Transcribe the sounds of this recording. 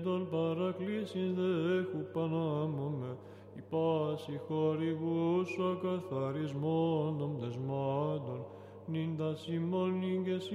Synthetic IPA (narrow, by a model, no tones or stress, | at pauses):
d̪olpaɾaklisĩnzðexupanamome | ipasixoɾiβusakaθaɾizmonomd̪ezmad̪ol | nind̪asimolniŋɡes